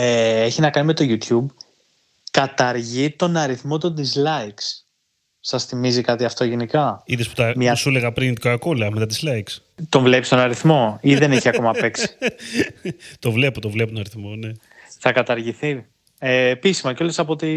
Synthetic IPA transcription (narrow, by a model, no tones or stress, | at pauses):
eeçinɐkɐnime̞t̪o̞ʝut̪çub | kɐt̪ɐɾʝit̪o̞nɐɾiθmo̞t̪ond̪izlɐiks | sɐsθimizikɐt̪iɐft̪o̞ʝenikɐiðespu̥t̪ɐmɲɐsuleɣɐpɾint̪ikokoleɐmet̪ɐt̪̬izlɐiks | t̪o̞ɱvle̞pist̪o̞nɐɾiθmo̞iðe̞neçiɐko̞mɐpe̞ksi̥ | t̪o̞vle̞pot̪ovlepot̪onɐɾiθmo̞ne̞ | θɐkɐt̪ɐɾʝiθi | eːpisimɐco̞lesɐpot̪i